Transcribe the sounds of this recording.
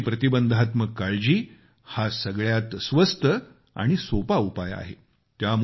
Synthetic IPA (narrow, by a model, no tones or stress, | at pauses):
pɾət̪ibənd̪ʱat̪məkːaɭd͡ʑiː | hasəɡɭjat̪sʋəst̪ə | a̰ɽ̃isopaupaja̰ɦḛ | t̪jam